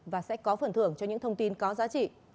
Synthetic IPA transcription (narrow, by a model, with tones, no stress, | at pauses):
vaː˨˩sɛ̰˧˥kɔ˨˦fə˨˩nt̪ʰɨ˧˩əŋt͡ɕɔ˧ɲɨ̰˧˥ŋt̪ʰə˧wŋ͡mt̪i˧nkɔ˨˦zaː˨˦t͡ɕḭ˧˨